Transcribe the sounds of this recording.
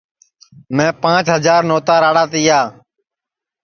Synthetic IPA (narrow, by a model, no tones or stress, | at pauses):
mɛ̃ːpãːt͡ʃɦəzaːɾnoːt̪aːɾaːɽaːt̪iːaː